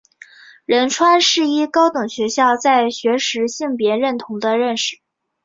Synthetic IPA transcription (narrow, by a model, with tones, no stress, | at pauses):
ɻə˧˥nʈ͡ʂʰwa˥nʂɻ̩˥˩i˥kɑ˥ʊt̪ɤ˨˩ŋɕɥɛ˧˥ɕjɑ˥˧ʊt͡sa˥˩ɪɕɥɛ˧˥ʂɻ̩˧˥ɕi˥˩ŋpjɛ˧˥ɻə˥˩nt̪ʰʊ˧˥ŋd̪ə˧ɻə˥˧nʂɻ̩˨˩˦